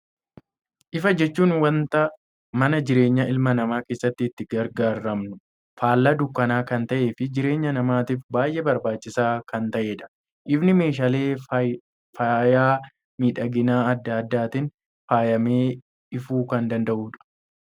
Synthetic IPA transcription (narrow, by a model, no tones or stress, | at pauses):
ʔɪfɐd͡ʒɛt͡ʃːuːnwɐnt̪ɐ | mɐnɐd͡ʒɪɾe̞ːɲːɐʔɪlmɐnɐmaːke̞ːsːɐt̪ːɪːt̪ːɪɡɐɾɡaːɾːɐmnʊ | faːlːɐd̪ʊkːɐnaːkɐnt̪ɐʔe̞ːfɪd͡ʒɪɾe̞ːɲːɐnɐmaːt̪iːfbaːjʔebɐɾbaːt͡ʃːɪsaːkɐnt̪ɐʔeːᶑɐ̥ | ʔɪbnɪme̞ːʃ̬aleː | fɐjaː | miːᶑɐɡɪnaːɐd̪ːɐɐd̪ːaːt̪ɪn | faːjɐmeː | ɪfuːkɐnd̪ɐnd̪ɐʔuːᶑɐ̥